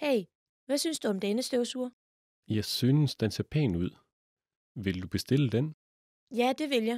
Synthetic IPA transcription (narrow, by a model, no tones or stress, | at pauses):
heɪ | ʋæsynsd̥uɒ̽md̥enəsd̥øʊsuɐ̰ | jɑ̈ɪsyːnəsd̥enseɐpʰɛ̰ːnuð̞̰ˠ | ʋe̝ld̥ub̥e̝sd̥e̝ləd̥en | jæd̥e̝ʋe̝ljɑ̈ɪ